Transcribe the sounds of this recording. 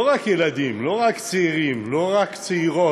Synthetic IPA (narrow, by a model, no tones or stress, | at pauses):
oʁakjelad̪imlo̞ʁakt͡seiʁimlo̞ʁakt͡seiʁo